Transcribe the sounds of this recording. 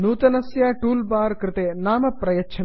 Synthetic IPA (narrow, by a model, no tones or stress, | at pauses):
nuːt̪ɐnɐsjaːʈuːlbaːɾkɾɪt̪eːnaːmɐpɾɐjɐtːt͡ʃʰɐ